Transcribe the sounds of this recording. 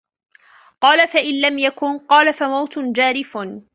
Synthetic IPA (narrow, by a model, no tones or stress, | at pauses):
qɑːlafaʔɪnlamjakʊnqɑːlafamawt̪ʊd͡ʒaːɾɪfn